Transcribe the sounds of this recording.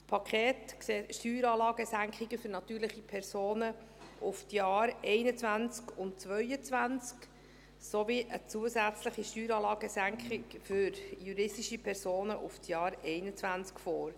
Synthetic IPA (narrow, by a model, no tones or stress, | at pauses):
pʰɑkʰχeːtkseːtʃtyːɾɑːlɑːɡ̥əsæŋkχɪɡəfʏɾnɑt̪yːɾləχipʰɛɾsoːnə | ʔʊftjɑːɾɛɪnət͡svænt͡skʊntt͡sʋœʏət͡svænt͡sk | soviʔət͡suəsæt͡sləχiʃtyːɾɑːlɑːɡəsæŋkχɪkfyɾjuɾɪstiʃipʰɛɾsoːnəʔʊftjɑːɾɛɪnət͡svænt͡skfoːɾ